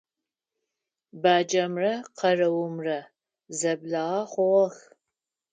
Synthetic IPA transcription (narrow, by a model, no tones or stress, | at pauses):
baːd͡ʒɐmrɐqʰɐrɐwʊmrɐ | zɐbɮaʁɐχʷɔʁɐx